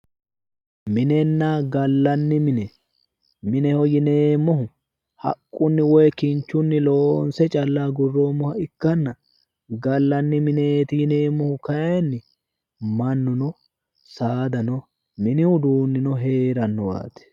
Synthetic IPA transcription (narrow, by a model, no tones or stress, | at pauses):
mɪnɛnːaɡɐlːɐnːɪmɪnɛ | mɪnɛhɔjɪneːmːɔɦʊ | hɐ̰kʼːʊnːɪwɔjɛkɪnt͡ʃːʊnːɪloːnsɛt͡ʃʼɐlːaːɡʊrːoːmːɔhɐɪkːɐnːɐ | ɡɐlːɐnːɪmɪneːt̪ɪjɪne̞ːmːɔhʊkɐjɛnːɪ | mɐnːʊnɔ | saːd̪ɐnɔ | mɪnɪʊd̪uːnːɪnɔɦe̞ːɾɐnːɔwa̰ːt̪ɛ̥